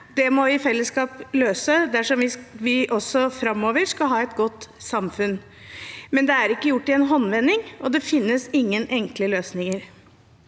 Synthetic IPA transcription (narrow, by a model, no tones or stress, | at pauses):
d̪ɛmɔɪfɛlːəskɑːpløːsəd̪æʂɔmʋɪʋɪʔɔsːɔfɾɑmːoːʋəɾʂkɑlɦɑːɛt̪ɡɔt̪ːsɑmfʉn | mɛnd̪ɛæɾɪkːəjʊʈːɪɛnɦɔnːʋɛnːɪŋʔɔd̪ɛfɪnːəsɪŋːənʔɛŋkləløːsnɪŋəɾ